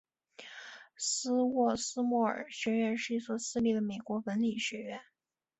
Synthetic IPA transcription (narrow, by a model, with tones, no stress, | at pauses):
sɹ̩˥wɔ˥˩sɹ̩˥mwɔ˥˩ə̰˨˩ɕɥɛ˧˥ɥɛ˧˥nʂɻ̩˥˩i˥˩swɔ˨˩sɹ̩˥˧li˥˩d̪ə˩me˨˩ɪkwɔ˧˥wə˧˥nli˨˩ɕɥɛ˧˥ɥɛ˧˥n